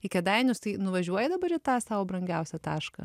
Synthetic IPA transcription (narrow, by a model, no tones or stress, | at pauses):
ɪkʲɛd̪ɐɪnʲʊst̪ɐɪnʊʋɐʒʲuɔjɛd̪ɐbɐɾɪt̪ɑːsɑːʋoːbɾɐŋʲɡʲɛʊsʲɛt̪ɑːʃkɐ̰